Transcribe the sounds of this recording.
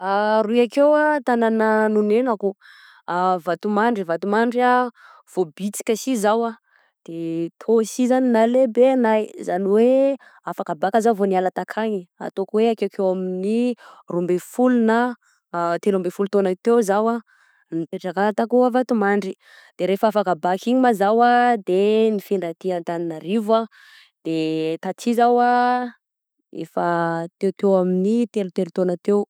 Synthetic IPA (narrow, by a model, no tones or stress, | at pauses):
aɾuiakewat̪anananunenaku | avat̪umaɳɖ͡ʐivat̪umaɳɖ͡ʐia | v̥obit͡si̥kʲəsizawa | d̪̥et̪ʰosizaninalebenajzaniwe | afakabakəzavonialat̪akʰaɲia̰t̪okweakekʰewaminirumbefuluna | t̪elumbefulut̪onat̪ewzawa | nip̪eʈ͡ʂakalat̪akuavat̪umaɳɖ͡ʐi | d̪̥eɾefaafakabakiɲimazawad̪enifiɳɖ͡ʐat̪iant̪aninaɾiva | d̪̥et̪at͡sizawa | ḛfat̪ewt̪ewaminit̪elut̪elut̪onat̪ew